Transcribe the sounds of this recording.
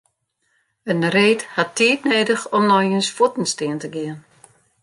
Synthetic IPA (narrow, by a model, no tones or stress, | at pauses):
ənreːthatːiːtneːdəxɔmnɔjənsfutn̩stɪəntəɡɪən